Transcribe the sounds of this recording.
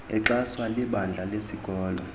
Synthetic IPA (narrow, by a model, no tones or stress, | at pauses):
ɛǁaswaliɓand͡ɮʱalesiɡ̥ʱɔːlɔ